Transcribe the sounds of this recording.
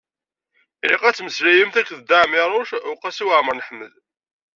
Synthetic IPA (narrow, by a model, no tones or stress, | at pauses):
liqæt͡sːməslæjəmθækːðd̪aʕmɪɾˤoʃʊqæsiwəʕməɾnəħmːəl